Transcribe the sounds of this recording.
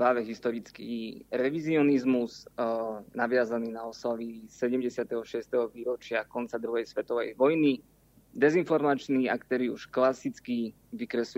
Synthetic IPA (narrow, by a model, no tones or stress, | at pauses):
pɾaːʋɛɦist̪ɔɾit͡skiːɾɛʋiziɔnizmuz | naʋɪazaniːnaɔslaʋisɛɟɛmɟɛsɪat̪ɛɦɔʃɪɛst̪ɛɦɔʋiːɾɔt͡ʃɪakɔnt͡sad̪ɾuɦɛjsʋɛt̪ɔʋɛ̰jʋɔjni | d̪ɛzinfɔɾmat͡ʃniːa̰kt̪ɛɾiṵʃklasit͡ski | ʋikɾɛsl